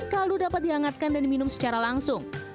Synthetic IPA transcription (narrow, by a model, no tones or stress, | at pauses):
kaludapat̪̚diaŋat̪̚kandandiminʊmsə̥t͡ʃaɾalaŋsʊŋ